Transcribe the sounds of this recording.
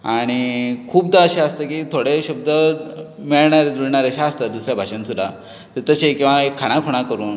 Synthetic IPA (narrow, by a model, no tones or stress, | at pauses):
aaɽ̃ikʰuːbd̪aəɕaəst̪akit̪ʰoɽeɕub̚d̪əmiɭɳaɾed͡zuɽɳaɾeəɕaəst̪at̪̚d̪usɾjabʱaɕənsud̪ʱa̰ | t̪əɾt̪əɕekĩw̃ʋaekʰːaɽ̃ãkʰoɽ̃akəɾuːn